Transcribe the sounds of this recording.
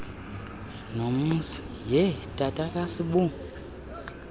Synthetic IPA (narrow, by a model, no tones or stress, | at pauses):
nomusi̥ | jɛtʼatʼakʼasiɓu